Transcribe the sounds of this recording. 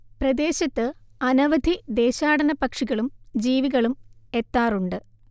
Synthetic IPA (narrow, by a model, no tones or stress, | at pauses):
prɐd̪e̞ːɕɐt̪ːɨɐnɐʋɐd̪ʱid̪e̞ːɕaːɽɐnɐpɐkʂiɣɐɭumd͡ʑiːʋiɣɐɭume̞t̪ːaːruɳɖɨ